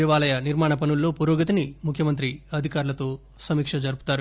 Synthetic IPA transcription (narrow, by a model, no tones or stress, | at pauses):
iʋaːlɐjɐniɾmaːɳɐp̬ɐnulːo̞ːpuɾoːɡɐt̪̬inimukʰjɐmɐnt̪ɾiɐd̪ʱikaːɾulɐt̪o̞ː | sɐmiːkʂɐd͡ʒɐɾupu̥t̪aːɾu